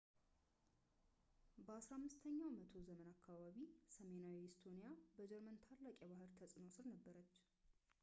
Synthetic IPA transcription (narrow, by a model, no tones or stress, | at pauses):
bəasɾamːɨst̪ʰəɲːawmət̪ʰo̞zəmənakʰːaβaβisəme̞nawihɪst̪ʰo̞nijabəd͡ʒɛɾmənt̪ʰalːakʼjɛβahɨɾt̪ʰəsʼɨno̞sɨlnəbːəɾət͡ʃː